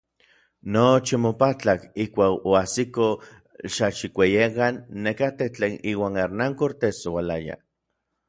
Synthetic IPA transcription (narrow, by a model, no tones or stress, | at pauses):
not͡ʃimopat͡ɬakihkʷaːkoasiko | ʃaʃikʷejekanːekat̪eht͡ɬeːniːwaːŋeɾnaŋkoɾt̪esowalaja̰